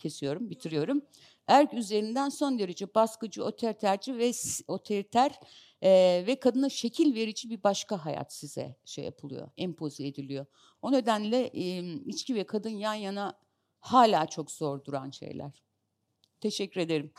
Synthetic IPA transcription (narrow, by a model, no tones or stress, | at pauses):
cʰe̞sijo̞ɾumbit̪ʰiɾijo̞ɾum | æɾcyze̞ɾind̪ænso̞nd̪e̞ɾed͡ʒɛbaskɯd͡ʒɯot̪ʰɛlt̪ʰæɾd͡ʒivɛso̞t̪ʰelit̪ʰæɾ | vɛkʰad̪ɯnaʃe̞cʰilʲve̞ɾid͡ʒibibaʃkaɦaja̰t̪sizɛ̰ʃeja̰pʰɯlˠṵjo̞̰ɛmpʰo̞zied̪ilʲijo̞ | o̞ne̞d̪ænlʲɛʔmit͡ʃcivɛkʰad̪ɯnjanjana | haːlʲaːt͡ʃʰo̞kz̥o̞ɾd̪uɾanʃḛjlʲæ̰ɾ̥ | t̪ʰe̞ʃɛcʰːyɾe̞d̪e̞ɾim